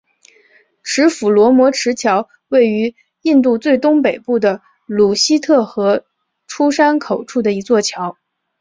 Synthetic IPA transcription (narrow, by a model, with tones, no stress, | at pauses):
ʈ͡ʂʰɻ̩˧˥fu˨˩lwɔ˧˥mwɔ˧˥ʈ͡ʂʰɻ̩˧˥t͡ɕʰjɑ˧˥ʊ | we˥˩ɪy˧˥ | i˥˧nt̪̬u˥˧t͡swe˥˩ɪt̪ʊ˥ŋpe˨˩ɪpu˥˩d̪ə˩ | lu˨˩ɕi˥t̪ʰɤ˥˩xɤ˧˥ | ʈ͡ʂʰu˥ʂa˥nkʰo˨˩ʊʈ͡ʂʰu˥˩d̪ə˩i˧˥t͡swɔ˥˩t͡ɕʰjɑ˧˥ʊ